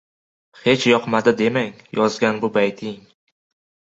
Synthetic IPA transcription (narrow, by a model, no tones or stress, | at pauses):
he̞t͡ʃjɒqmad̪ɪd̪e̞maŋjɒzɡʲanbʊbajt̪ʰɪŋ